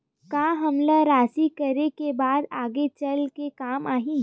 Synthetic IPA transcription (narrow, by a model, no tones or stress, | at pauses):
kaːɦɐmlaɾaːsikɐɾekebaːd̪aːɡet͡ʃɐlkekaːmaːɦĩː